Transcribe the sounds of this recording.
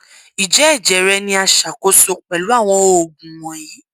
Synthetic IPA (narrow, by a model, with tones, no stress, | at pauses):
i˨d͡ʒɛ˨˦ɛ˦˨d͡ʒɛ˨ɾɛ˦nĩ˦a˧ʃa˨ko˦so˦k͡pɛ˨lu˨˦a˦˨w̃ɔ̃˧o˦˨ɡũ˨wɔ̃˨ji˨˦